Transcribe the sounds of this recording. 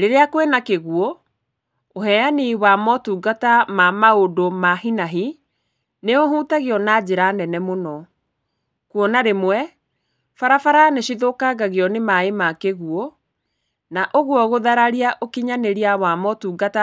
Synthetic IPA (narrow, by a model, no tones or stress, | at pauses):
ɾeɾeakwenakeɣuɔ | oɦɛaniwamɔtuːɡatamamaodomaɦinaɦi | neoɦuːtaɣeɔnad͡ʑeɾanɛnɛmonɔ | kuɔnaɾemwɛ | faɾafaɾaneʃiðokaɣaɣeɔnemaemakeɣuɔ | naʔoɣwɔɣoðaɾaɾiaʔokiɲaneɾiawamɔtuːɡata